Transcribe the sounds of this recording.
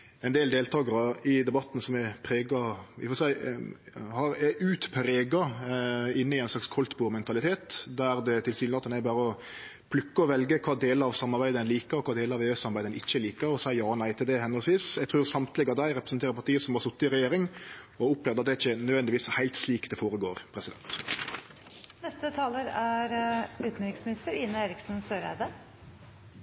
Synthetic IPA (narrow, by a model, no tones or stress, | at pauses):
ɛnd̪eːld̪eːlt̪ʰɑːɡəɾəɪd̪ɛbɑt̪ːn̩sɔmɛpʰɾeːɡɑʋɪ̰fɔsæɪ | hɑɾɛʔʉːt̪pʰɾeːɡɑ | ɪnːəɪɛɪnslɑkskʰɔlt̪buːmɛnt̪ʰɑlɪt̪ʰeːt̪d̪æɾd̪ɛt̪ʰɪlsiːlnɑt̪ːnæbɑːɾəɔ | pʰlʉkːəɔʋɛlɡəkʰɑːd̪eːləɑʋsɑmːɑʁbæɪd̪əd̪ɛnliːkəɾɔkʰɑːd̪eːləɾɑʋeːøsɑmɑbæɪd̪ɛnɪçːəliːkəɾɔsæɪjɑːnæɪt̪ʰɪld̪ɛhɛnəɔlsʋiːsjɛɡt̪ʰʁʉːʁsɑmt̪ʰlɪɡɑd̪æɪɾɛpɾɛsn̩t̪ʰeːɾəɾpɑɾt̪iːəsɔmɑsʊt̪ːɪɾɛjeːɾɪŋ | ɔʊpleːʋd̪əɑt̪d̪ɛæɪçːənœd̪ʋɛnd̪ɪʋiːshæɪlt̪sliːkd̪ɛfoːɾəɡoːʁpʰɾɛsɪd̪ɛ̰nt̪ | nɛst̪ət̪ʰɑːləɾæɾʉːt̪n̩ɾɪŋsmɪnɪst̪əɾɪnːəeːɾɪksn̩søːɾæ̰d̪ə